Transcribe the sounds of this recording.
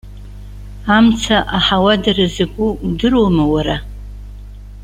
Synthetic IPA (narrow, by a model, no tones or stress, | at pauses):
amt͡sʰaʔaħawadarazaɡʷʼuudɨromawaɾa